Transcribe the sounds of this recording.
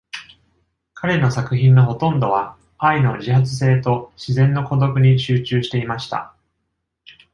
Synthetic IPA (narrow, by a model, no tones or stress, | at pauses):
kʰaɾe̞no̞sakɯ̟çĩnːo̞ɦo̞t̪õ̞nd̪o̞β̞a | aino̞̰ʑiɦat͡sɨ̥s̬e̞ːt̪o̞ɕizẽ̞nːo̞ko̞d̪o̞kɯ̟ɲ̟iɕɨːt͡ɕɨːɕi̥t̪e̞imaɕi̥t̪a̰